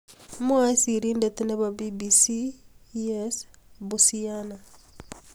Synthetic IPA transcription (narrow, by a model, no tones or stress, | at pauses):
mwasiɾindeteneβabibisi | es | busiana